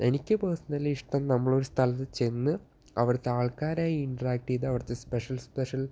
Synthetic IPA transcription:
e̞nikʲːɨpɐːsɐnːɐliʂʈɐmnɐmːɐɭo̞ɾust̪ʰɐlɐt̪ːɨt͡ɕe̞nːɨ | ɐʋɐrɐt̪ːeaːɭkaːɾaːjiiɳʈɐraːk̚ʈijɐðɨɐʋɐrt̪ːespeʂɐlspeʂɐl

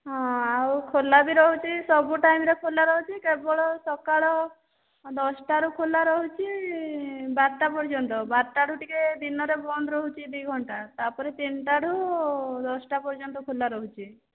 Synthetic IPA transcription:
ɦɔ̃awkʰolːabiɾɔɦut͡ʃʰisɔbuʈajmɾekʰolːaɾɔɦut͡ʃʰikebɔɭɔsɔkaɭɔ | d̪ɔsʈaɾukʰolːaɾɔɦut͡ʃʰi | baɾʈːapɔɾd͡ʒɔnt̪ɔbaɾʈaɽ̤ʱuʈiked̪inɔɾebɔnd̪ɾɔɦut͡ʃʰid̪ujɡʱɔɳʈat̪aɾpɔɾet̪inʈaɽʱud̪ɔsʈapɔɾd͡ʒɔnt̪ɔkʰolːaɾɔɦut͡ʃʰi

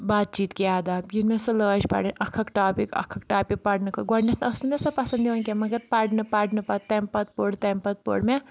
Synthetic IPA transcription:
baːt̪̚t͡ʃiːt̪keaːd̪abjunmesɐləːt͡ʃpa̰ɽɨnʲɐkʰɐkʈaːpikɐ̰kʰːɐkʈaːpik̚paɽnɨkʰɐɡɐɽnɐt̪nɐsnɨmesɐpɐsɐnd̪iʋɐnkʲemɐɡɐɾpaɽnɨpaɽnɨpɐt̪t̪ɐmpɐt̪̚poɽt̪ɐmpɐt̪̚po̰ɽme

